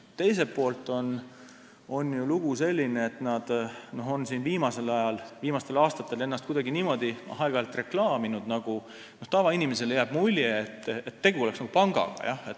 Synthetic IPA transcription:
t̪e̞js̬e̞pːo̞ːlt̪ˑo̞n | o̞nːjuluɡ̥use̞lʲːineet̪nɑd̪̥no̞ɦo̞nsiːnviːmɑse̞lɑjɑlviːmɑst̪e̞lɑːst̪ɑt̪ːˑe̞le̞nːɑst̪̚kujd̪ɑɡiniːmo̞d̪̥ihɑeɡ̥ɑlt̪ˑre̞klɑːminud̪̥nɑɡ̥u | noht̪ɑvɑinime̞s̬e̞ljæːb̥mulʲjeːt̪ːet̪ːe̞ɡuo̞leksnɑɡ̥upɑŋɡ̥ɑ̰ɡ̥ɑ̰jʔɑhet̪ː

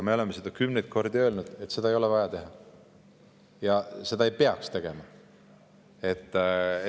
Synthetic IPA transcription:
ɑme̞o̞leme̞sed̪̥ɑkymnejt̪̚ko̞rd̪̥iø̞ːlnud̪̥e̞t̪ːˑse̞d̪̥ɑejolevɑjɑt̪e̞ɦɑ | jɑse̞d̪ɑe̞jpe̞ɑkst̪e̞ɡ̥e̞mɑ | e̞t̪ː

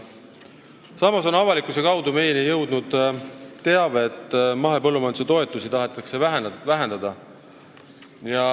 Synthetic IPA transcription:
sɑmɑso̞nɑvɑlikːˑuse̞kɑwd̪ume̞jenejɤwd̪̥nud̪̥t̪ːe̞ɑvet̪ːˑmɑɦe̞pɤlːumɑjnd̪u̥set̪o̞e̞t̪ːˑusit̪ɑɦe̞t̪ːˑɑkse̞ævæɦend̪ɑd̪̥ɑ | jɑ

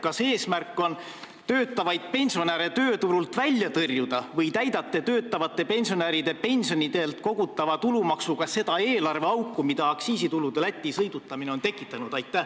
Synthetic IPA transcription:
kɑse̞ːsmærkːˑo̞n | t̪øːt̪ːˑɑvɑjd̪̥̚pe̞nʲsio̞neɾe̞t̪ø̞ːt̪uɾult̪vælʲːjɑt̪ɤrjud̪ɑvɤjt̪æjd̪̥ɑt̪ːˑe̞t̪øːt̪ˑːɑvɑt̪ːˑe̞pe̞nʲsioneɾid̪̥e̞pe̞nʲsionʲid̪e̞lt̪ko̞ɡ̥ut̪ːˑɑvɑt̪ulumɑksuɡ̥ɑse̞d̪̥ɑe̞ːlɑrve̞ɑwkːˑumid̪ɑːksiːsit̪ulud̪̥e̞læt̪ʲːisɤjd̪̥ut̪ːˑɑmine̞o̞nt̪e̞kːˑit̪ːˑɑnud̪ɑjt̪ːˑæ

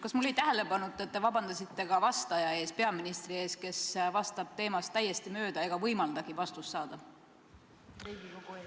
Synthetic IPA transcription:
kɑsmulːejt̪æɦele̞bɑnut̪ˑːet̪ːe̞vɑbɑnd̪̥ɑsit̪ːe̞ɡ̥ɑvɑst̪ɑjɑe̞ːspe̞ɑminist̪rie̞ːske̞svɑst̪ɑb̥̚t̪e̞ːmɑst̪ːæjːe̞st̪imø̞ːd̪̥ɑeɡ̥ɑvɤjmɑld̪̥ɑɡ̥ivɑst̪usːɑːd̪̥ɑ

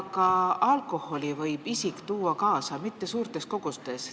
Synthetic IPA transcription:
kɑɑlkˑo̞ho̞lʲivɤjb̥isikt̪uːɑkɑːsɑmit̪ːe̞suːɾt̪e̞sko̞ɡ̥ust̪e̞s

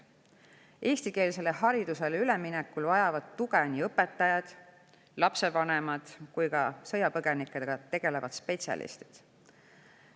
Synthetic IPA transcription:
ʔe̞ːst̪ike̞ːlise̞le̞ɦɑɾid̪̥use̞lyleminekːulvɑjɑvɑd̪̥t̪uɡ̥eniɤpːe̞t̪ːˑɑjɑd̪̥ | lɑpse̞vɑnemɑd̪̥kujkɑsɤjɑpɤɡ̥e̞nikːed̪eɡ̥ɑt̪e̞ɡ̥e̞le̞vɑ̰d̪̥spe̞t̪siɑ̰lḭst̪i̥d̪̥

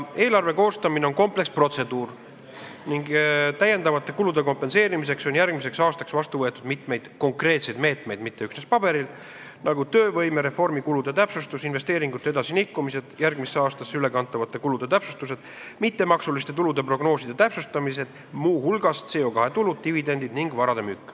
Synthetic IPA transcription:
e̞ːlɑrve̞ko̞ːst̪ɑmine̞onko̞mple̞kspro̞t̪se̞d̪uːr | niŋɡt̪æje̞nd̪ɑvɑt̪ːˑe̞kulud̪̥e̞ko̞mpːe̞nse̞ːɾimis̬e̞kso̞njærɡ̥mise̞ksɑːst̪ɑksvɑst̪uvɤ̞e̞t̪ːˑud̪mit̪me̞jd̪̥ko̞ŋkre̞ːt̪se̞jd̪me̞ːt̪me̞jd̪̥mit̪ːeyksnespɑb̥e̞ɾil | nɑɡut̪øːvɤ̞jmeɾe̞fo̞rmikulud̪̥e̞t̪æpsust̪usinve̞st̪e̞ːɾiŋɡut̪ːˑeed̪ɑsinihkːˑumise̞d̪̥jærɡ̥miseːɑːst̪ɑsːeyle̞kɑnt̪ːˑɑvɑt̪ːˑe̞kulud̪̥e̞t̪æpsust̪use̞d̪̥mit̪ːe̞mɑksulist̪e̞t̪ulud̪e̞pro̞ɡno̞ːsid̪̥e̞t̪æpsust̪ɑmise̞d̪̥ | muːhulɡ̥ɑst̪se̞ːo̞kɑhe̞t̪ulud̪̚t̪ivid̪e̞nd̪id̪̥niŋɡvɑɾɑd̪emykːˑ

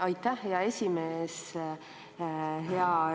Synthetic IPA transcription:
ɑjt̪ːæhheɑe̞sʲimeːs | ɦeɑ

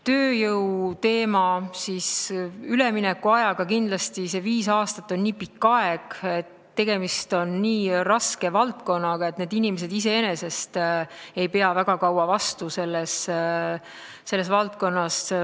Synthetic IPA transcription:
t̪ø̞ːjɤwt̪e̞ːmɑsisyleminɛkːˑuɑjɑɡ̥ɑkind̪lɑst̪ise̞viːsɑːst̪ɑt̪ːˑo̞nniːpikːɑe̞ɡ̥e̞t̪ | t̪ːe̞ɡ̥e̞mist̪o̞nːiːrɑske̞vɑlt̪ko̞nːɑɡ̥ɑe̞t̪ne̞ːd̪inimese̞d̪is̬e̞enese̞st̪e̞jpe̞ɑvæɡ̥ɑkɑwɑvɑst̪use̞lːes | e̞lːes̬vɑlt̪̚ko̞nːɑs

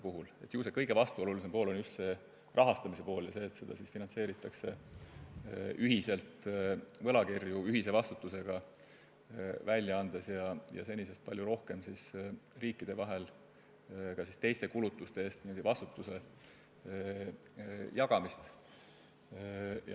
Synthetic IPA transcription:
puɦule̞t̪ːjuːsekɤjɡ̥e̞vɑst̪uo̞lulise̞mpoːlo̞njust̪se̞ | rʔɑɦɑst̪ɑmise̞po̞ːljɑse̞ːt̪se̞d̪̥ɑ̰sisfinɑnt̪se̞ːɾit̪ːˑɑkse̞ | yɦise̞lt̪ˑvɤ̞lɑkirjuyɦise̞vɑst̪ut̪ːˑuse̞ɡ̥ɑ | vælʲːjɑɑnd̪̥esjɑjɑ̰se̞nʲise̞st̪̚pɑlʲjuɾo̞hke̞msisriːkːˑid̪̥e̞vɑɦe̞l | kɑsist̪e̞jst̪e̞kulut̪ːˑust̪e̞eːst̪niːmod̪̥ʲivɑst̪u̥t̪ːˑuse̞ | jɑɡɑmist̪ | j

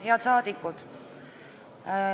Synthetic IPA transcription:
jɑt̪sɑːd̪̥ikːud̪̥

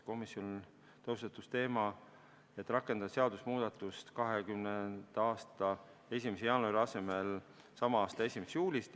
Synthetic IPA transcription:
ko̞misːio̞n | t̪ost̪et̪ːˑust̪e̞ːmɑ | e̞t̪ːˑrɑkːˑe̞nd̪̥ɑseɑd̪usmuːd̪̥ɑt̪ːˑust̪kɑɦekymnend̪̥ɑːst̪ɑ | e̞sʲimesejɑːnuɑɾiɑse̞me̞l | sɑmɑɑːst̪ɑe̞sʲimest̪juːlʲist̪

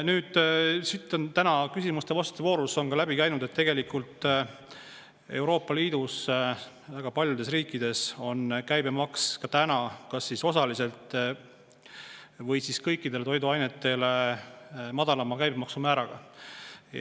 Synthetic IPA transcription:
nyːd̪̥sit̪ːˑo̞nt̪ænɑkysimust̪e̞vɑst̪t̪uvo̞ːɾuso̞nkɑlæbikæjnud̪̥e̞t̪ːe̞ɡe̞likult̪ːˑ | e̞wɾo̞ːpːˑɑliːd̪us | væɡ̥ɑpɑlʲjud̪e̞sriːkːˑid̪̥e̞so̞nkæjbemɑkskɑt̪ænɑkɑsːiso̞sɑlise̞lt̪ˑ | vɤjsiskɤjkːˑid̪̥e̞let̪o̞jd̪uɑjne̞t̪ːˑe̞le | mɑd̪̥ɑlɑmɑkæjbemɑksumæːɾɑɡ̥ɑ̰

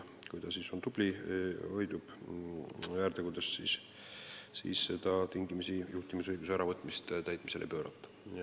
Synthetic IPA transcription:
kujt̪ɑsiːso̞nt̪ub̥lio̞jd̪̥ub̥ | æːɾt̪eɡud̪essḭːs | sḭːsse̞d̪̥ɑt̪iŋɡimisijuht̪imisojd̪usæɾɑvɤt̪ːˑmist̪t̪æjt̪̚ˑmise̞lʔḛpø̞ːɾɑ̰t̪ˑːɑ̥

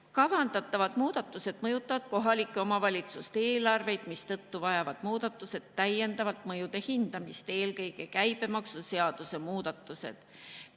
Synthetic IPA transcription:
kɑvɑnd̪̥ɑt̪ˑːɑvɑd̪̥muːd̪̥ɑt̪ːˑuse̞d̪̥̚mɤjut̪ˑːɑvɑd̪̥̚ko̞ɦɑlikːˑeo̞mɑvɑlʲit̪sust̪eːlɑrve̞jd̪̥mist̪ɤ̞t̪ːuvɑjɑvɑd̪̥muːd̪̥ɑt̪ːˑuse̞d̪̥tːæje̞nd̪ɑvɑt̪ˑmɤjud̪̥e̞hind̪̥ɑmist̪e̞ːlkɤjɡ̥e̞kæjb̥e̞mɑksuse̞ɑd̪̥use̞muːd̪̥ɑt̪ːˑuse̞̰d̪̥

